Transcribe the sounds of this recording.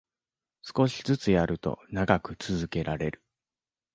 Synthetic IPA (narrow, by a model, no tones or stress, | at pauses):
sɨ̥ko̞ɕi̥zɨt͡sɨjaɾʔɯ̟t̪o̞̰naɡakɯ̟t͡sɨzɨke̞ɾaɾe̞ɾɯ̟̥